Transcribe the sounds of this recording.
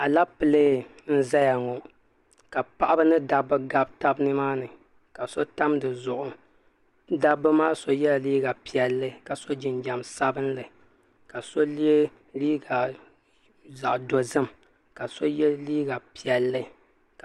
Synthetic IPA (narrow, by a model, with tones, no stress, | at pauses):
a˨la˦pɨ˨leː˦n̩˦za˦ja˨ŋɔ˨ | ka˨pa˦˨ʔa˦bɨ˦nɨ˦da˨bːɨ˦ɡa˦b̚ta˦bnɨ˦maː˦nɨ˨ | ka˨so˦ta˦mdɨ˨zʊ˨ʔʊ˦ | da˦bɨ˦maː˦so˨jɛ˦la˨liː˦ɡa˨pi˨ɛ˨lːɨ˦ka˨so˦d͡ʒɪ˨nd͡ʒa˨msa˦bɨ˦nlɨ˨ | ka˨so˦li˦e˦ | liː˦ɡa˨ | za˨ʔdo˨zɨ˦m | ka˨so˦jɛ˦liː˦ɡa˨pi˨ɛ˨lːɨ˦ | k